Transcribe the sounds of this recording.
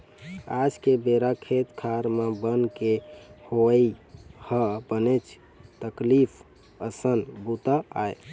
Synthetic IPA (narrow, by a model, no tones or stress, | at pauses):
ad͡ʒkebeɾakʰet̪kʰaɾmebənkehoəihəpənet͡ʃʰ | t̪əklipʰ | əsənbut̪əaj